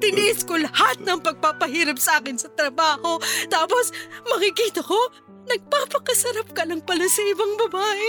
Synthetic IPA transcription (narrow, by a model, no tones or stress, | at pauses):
t̪ɪnd̪ɪʔɪskolɐhat̪̚nɐŋpɐɡ̚papɐɦiːɾɐp̚sɐʔaːkɪnsɐt̪ɾɐbaːho̞t̪aːposmɐkɪkiːt̪ɐko̞ | nɐɡ̚paːpɐkɐsɐɾap̚kɐlɐŋpɐlasɐʔɪbaŋbɐbaːʔɛ